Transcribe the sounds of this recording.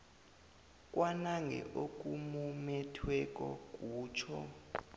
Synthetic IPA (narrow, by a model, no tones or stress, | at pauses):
k̬ʼwanaŋɡʱɛ̰ʔok̬ʼumumɛtʰwɛk̬ʼɔ̰k̬ʼuːt͡ʃʰɔ